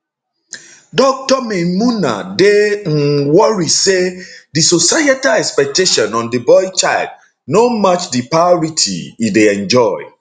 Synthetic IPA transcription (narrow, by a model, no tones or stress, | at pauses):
dɔk̚tɔmemuna̰de | wɔɹisedisosajatalɛkspɛk̚teʃɔ̃nɔ̃ndibɔjt͡ʃajld̚ | nomat͡ʃdipaɔɹitʰḭideɛ̃nd͡ʒɔɪ